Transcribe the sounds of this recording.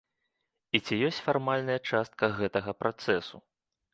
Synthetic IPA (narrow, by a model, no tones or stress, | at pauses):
it͡sʲijɔsʲt͡sʲfarmalʲnɐjɐt͡ʂast̪̚kɐɣɛt̪ɐɣɐpɾʔat̪sɛsu